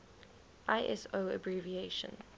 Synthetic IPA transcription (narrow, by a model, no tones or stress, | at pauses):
ʔaɪʔɛ̰soʊə̰bɹiːvieʃə̰̃n